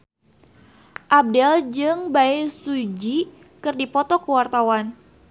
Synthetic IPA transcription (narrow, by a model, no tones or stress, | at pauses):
ʔab̚dɛld͡ʒɨŋbaisud͡ʒi | kɨrdipɔt̪ɔkəwart̪awan